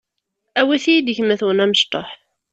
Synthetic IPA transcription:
æwiθijid̪əçmæθwənæməʃt̪ˤo̰ħ

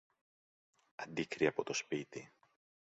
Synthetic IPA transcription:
ɐnd̪ikɾiɐpo̞t̪o̞spit̪i

